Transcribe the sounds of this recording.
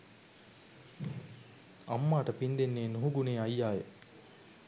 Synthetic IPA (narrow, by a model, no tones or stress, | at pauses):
ɐ̰mːaːʈəpind̪enːeːnuɦuɡuneːɐjːaːje